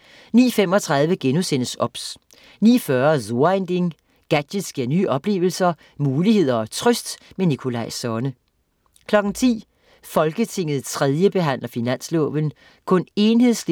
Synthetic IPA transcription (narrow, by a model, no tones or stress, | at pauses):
nḭːfem̰ɒ̽t͡sʰʁɑ̈ðˠʋəɡ̥enusen̰əsɒ̽b̥s | nḭːfɶɐzo̝ɐend̥e̝ŋ | ɡ̥æd̥ed̥sɡ̥iɐ̰nyːʔɒ̽b̥le̝̰ːʊl̩sɐ | muːlihe̝ð̰ˠɐɒt͡sʰʁœsd̥menikʰo̝lɑ̈ɪsɒːnə | kʰlɒ̽ɡ̥n̩t͡sʰḭː | fɒ̽lɡ̥ət͡sʰe̝ŋ̰ð̞̩ˠt͡sʰʁɛð̞ˠjəb̥e̝ɦæn̰lɐfinæn̰slɔ̰̽ːʋən | kʰɔ̽ne̝ːnɦe̝ð̰ˠsl